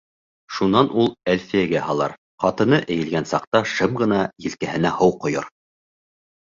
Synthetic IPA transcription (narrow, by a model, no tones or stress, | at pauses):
ʃunɑnʔulˠælfiæɡæhɑlˠɑ̰ɾ | qɑt̪ɤ̆nɤʔɘ̆jɘ̆lɡænsɑqt̪ɑʃɤmʁɤ̆nɑjɘ̆lkæhɘ̆næhɤwqŏjoɾ